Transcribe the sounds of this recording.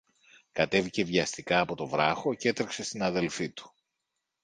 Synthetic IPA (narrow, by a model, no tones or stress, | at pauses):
kɐt̪e̞vice̞vʝɐst̪ikɐːpo̞t̪o̞vɾɐxo̞ce̞t̪ɾekse̞st̪inɐðe̞lfit̪u̥